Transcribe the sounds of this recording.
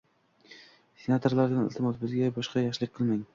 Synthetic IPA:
sʲenat̪ʰoɾlaɾd̪anɪ̰lˠt̪ʰɪmɒt̪bɪzɡʲabɒʃqɑjɒχʃlˠɪk̚ʲqʰːɨlˠmaŋ

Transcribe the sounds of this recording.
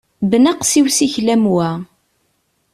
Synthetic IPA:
bnaqsiwsiçlæmwæ

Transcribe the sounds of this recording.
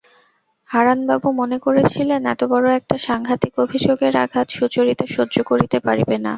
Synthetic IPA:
haɾanbabumonekoɾet͡ɕʰilenɛ̰t̪obɔɾoɛk̚ʈaʃaŋɡʱat̪ikobʱid͡ʑoɡeɾa̰ɡʱat̪ʃut͡ɕoɾit̪eʃodd͡ʑokoɾit̪epaɾibena̰

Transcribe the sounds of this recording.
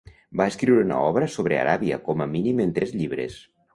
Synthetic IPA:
baeskɾiwɾeuna̰ɔβɾəsoβɾea̰ɾaβiə̰kɔməminiment̪ɾɛzʎiβɾḛs

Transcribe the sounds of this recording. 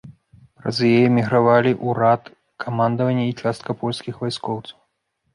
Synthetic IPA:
pɾɐ̰zjɛjɛmʲiɣɾavalʲiʔuɾat̪ | kʰamand̪ɐvɐnʲːɐit͡ʂast̪̚kɐpɔlʲsʲkʲixvajskɔwt̪sɐ̥w

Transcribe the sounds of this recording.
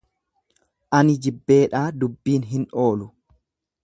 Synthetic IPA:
ʔɐnɪd͡ʒɪbːe̞ːᶑaːd̪ʊbːiːnɦɪno̞ːlʊ

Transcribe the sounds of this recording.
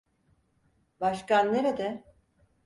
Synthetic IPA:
baʃkanːeɾed̪ɛ

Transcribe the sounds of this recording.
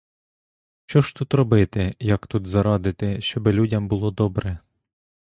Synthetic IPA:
ʃt͡ʃɔʃt̪ut̪ɾɔbɪt̪ɪjɐkt̪ut̪zɐɾɑd̪ɪt̪ɪʃt͡ʃɔbɪlʲudʲɐmbʊlˠɔd̪ɔbɾɛ

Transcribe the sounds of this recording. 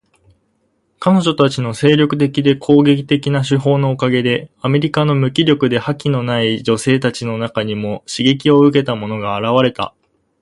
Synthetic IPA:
kano̞ʑo̞t̪at͡ɕino̞se̞ːɾʲo̞kɯ̟̥t̪e̞kʲid̪e̞kʰo̞ːɡe̞kʲi̥t̪e̞kʲinaɕɨɦo̞ːno̞ːkaɡe̞d̪e̞ame̞ɾʲikano̞mɯ̟kʲiɾʲjo̞kɯ̟d̪e̞hakʲino̞naid͡ʑo̞se̞ːt̪at͡ɕino̞nakaɲ̟imo̞ɕiɡe̞k̬ʲio̞ɯ̟k̬e̞t̪amo̞no̞ɡaːɾaβ̞aɾe̞t̪a̰

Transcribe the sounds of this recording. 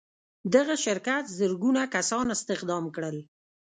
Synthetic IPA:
d̪aɣaʃɪɾkat̪zəɾɡunakasɑnɪst̪ɪqd̪ɑmkɽəl

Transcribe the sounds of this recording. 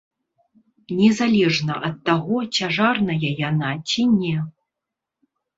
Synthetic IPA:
nʲɛzalʲɛʐnɐʔɐt̪ːaɣɔt͡sʲaʐarnɐjɐjanat͡sʲinʲɛ

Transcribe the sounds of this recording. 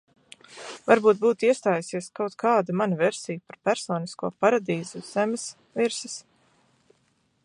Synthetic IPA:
vaɾbuːt̪̚buːt̪iɛst̪aːjasiɛskawt̪kʰaːd̪amanavɛɾsijupaɾpæɾsɔːniskuɔpaɾad̪iːzuz̥ɛmʲɪs | viɾsɪs

